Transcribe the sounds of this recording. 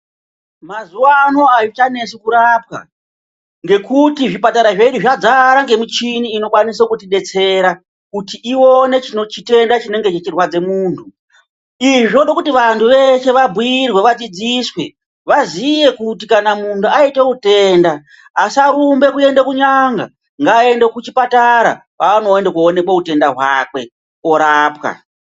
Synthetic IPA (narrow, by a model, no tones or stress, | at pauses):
mazuwano̞ajot͡ʃane̞sukuɾap̚ka̰ | ŋɡe̞kutiʐipataɾaʐeiɗuʐad͡zaɾaŋɡe̞mut͡ʃiniːno̞kwanis̬okutiɗe̞t͡se̞ɾa | kutiʔio̞ne̞t͡ʃinot͡ʃite̞ndat͡ʃine̞ŋɡe̞t͡ʃet͡ʃirwad͡ze̞muːntʰu | iʐo̞ɗo̞kutiʋantʰuʋe̞ʃe̞ʋabʱiirwe̞ʋad͡zid͡ziswe̞ | ʋazije̞kutikanamuntuaiteute̞ːndaː | siaɾumbe̞kue̞ndekuɲaŋɡa̰ | ŋɡaːe̞ndekut͡ʃipataɾa̰paːno̞endekuone̞kwaute̞ndaɦwaːkwe̞ | oɾaːpka̰